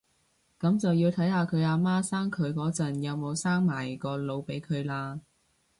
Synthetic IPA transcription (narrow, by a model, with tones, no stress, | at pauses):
kɐ˨˥mt͡sɐ˨wjiː˧wt̪ʰɐ˨˥jhaː˧kʰɵ˨˧ɥaː˧maː˥saː˥ŋkʰɵ˨˧ɥkɔː˨˥t͡sɐ˨˩njɐ˨˧wmo˨˧wsaː˥ŋmaː˨˩jkɔː˧lo˨˧wpe˨˥jkʰɵ˨˧ɥlaː˧